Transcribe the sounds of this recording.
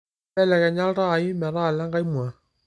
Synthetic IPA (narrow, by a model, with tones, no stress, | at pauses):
ɛ˦lɛ˨kɛ˨ɲa˦ɾa˦˨i˦mɛ˨ɾa˦˨la˦ŋɡa˦i˦mwa˨